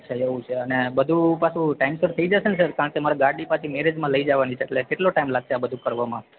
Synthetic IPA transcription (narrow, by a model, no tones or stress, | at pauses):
t͡ʃʰeeʋũt͡ʃʰeənebəd̪ʱũpasũʈaimsəɾt̪ʰəid͡ʒaʃensəɾkaɾəɳkemaɾaɡaɾɖipat̪ʰimeɾed͡ʒmãləid͡ʒaʋanit͡ʃʰeeʈlekeʈloʈaimlaɡʃeabəd̪ʱũkəɾʋamã